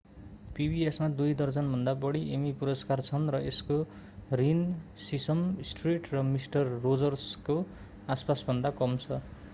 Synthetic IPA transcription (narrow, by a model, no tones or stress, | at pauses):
pibʱiesmad̪ujd̪ʌrt͡sʌnbʱʌnd̪abʌɽ̃iʔemipuɾʌskart͡sʰʌnrʌesko | rinsisʌmsʈriʈrʌmisʈʌrːod͡zʌrsko | aspasbʱʌnd̪akʌmt͡sʰʌ